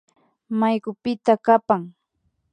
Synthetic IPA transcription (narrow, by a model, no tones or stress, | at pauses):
majkʊpɪt̪akapaŋ